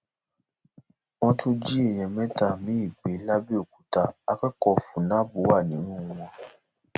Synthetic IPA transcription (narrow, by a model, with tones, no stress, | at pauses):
w̃ɔ̃˧tʰũ˦d͡ʒi˦e˦˨j̃ɛ̃˨mɛ̃˦ta˧˨mĩ˨˦i˦˨ɡ͡be˨˦la˦bi˦o˦˨ku˨˦ta˧a˧k͡pɛ˦kɔ˧fũ˨˦nã˨˦bu˨˦wa˦˨nĩ˨˦nũ˦˧w̃ɔ̃˧